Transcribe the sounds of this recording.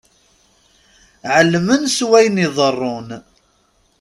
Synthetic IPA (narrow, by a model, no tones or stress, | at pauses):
ʕəlːmənswæjniðˤərˤːon